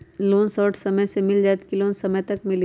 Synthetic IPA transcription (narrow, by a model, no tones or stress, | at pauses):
loːnsɔːʈʰsɐməjsemɪld͡ʒaːt̪kiloːnsɐməjt̪ɐkmɪl